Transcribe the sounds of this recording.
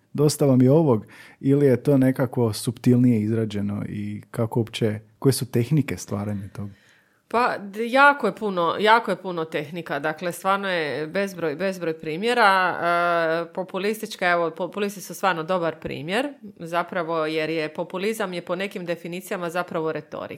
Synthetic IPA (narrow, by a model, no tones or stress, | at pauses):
d̪o̞st̪aʋamjeo̞ʋoɡilijet̪o̞ːne̞kakʋo̞supt̪ilˠnijeizɾaːd͡ʑe̞no̰ḭkakoopt͡ɕekojesut̪e̞xnikest̪ʋa̰ːɾaɲet̪o̞ɡ | pajaːkojepunojaːkojepunot̪e̞xnikad̪aklest̪ʋaːɾnojebe̞zbɾojbe̞zbɾojpɾiːmje̞ɾa | po̞pulist̪it͡ʃkaeʋopopulist̪i̥sust̪ʋaːɾnod̪o̞baɾpɾḭːmje̞ɾzapɾaʋo̞je̞ɾjepo̞pulizamje̞po̞ne̞kimd̪e̞finiːt̪sijamazapɾaʋo̞ɾe̞t̪o̞̰ɾḭk